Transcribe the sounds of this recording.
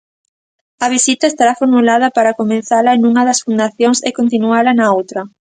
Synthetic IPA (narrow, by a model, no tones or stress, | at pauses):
ɐβisit̪ɐest̪aɾafoɾmulaðɐpaɾɐkomẽn̟θalɐenũŋɐðɐsfund̪aθjoŋsekont̪̬inualɐnɐowt̪ɾɐ